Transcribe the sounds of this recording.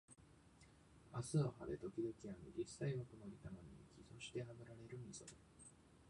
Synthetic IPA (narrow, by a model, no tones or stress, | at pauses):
asɨohad̪e̞t̪o̞kʲid̪okʲianid͡ʑisːaiβakonoit̪amaɲikʲiso̞ɕi̥t̪e̞ɦamɯ̟ɾaɾe̞ɾɯ̟mʲiso̞d̪e